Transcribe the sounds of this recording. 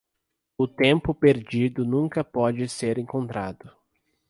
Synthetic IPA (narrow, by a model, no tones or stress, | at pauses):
ʊt̪ẽmpʊpeɾd͡ʒid̪ʊnũkɐpɔd͡ʒɪseɾẽŋkõnt̪ɾa̰d̪ʊ